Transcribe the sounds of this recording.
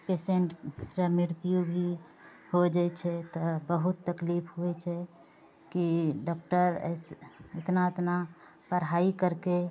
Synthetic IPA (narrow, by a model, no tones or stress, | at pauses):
peseɳʈɾəmiɾt̪ijubʱi | hod͡ʒat͡ʃʰɛt̪ɔbəɦut̪ːəklipʰɦuɛt͡ʃʰɛ | kiɖɔk̚ʈəɾə̰sɪt̪naɪt̪na | pəɾɦaikəɾke